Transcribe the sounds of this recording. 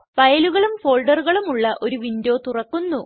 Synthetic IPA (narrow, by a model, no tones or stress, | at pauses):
pɐjɐluɣɐɭumfo̞ːɭɖɐruɣɐɭumuɭːɐʔo̞ɾuʋindo̞ːt̪urɐkːunːu